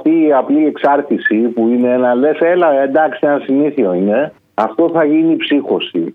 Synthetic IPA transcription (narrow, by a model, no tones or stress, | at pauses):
t̪iːɐplie̞ksɐɾθisipuine̞nɐle̞selɐend̪ɐksienɐsiniθioine̞ | ɐft̪o̞θɐʝiniːpsixo̞si